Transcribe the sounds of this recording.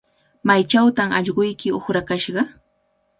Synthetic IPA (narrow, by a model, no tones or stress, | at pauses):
majt͡ʃawt̪amɑʎɢʊjkɪoχɾakaʃɢɑ